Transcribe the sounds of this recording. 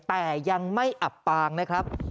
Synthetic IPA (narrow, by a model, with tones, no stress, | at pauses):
t̪ɛː˨˩ja˧ŋma˥˩jʔa˨˩pːaː˧ŋna˦˥kʰɾa˦˥p̚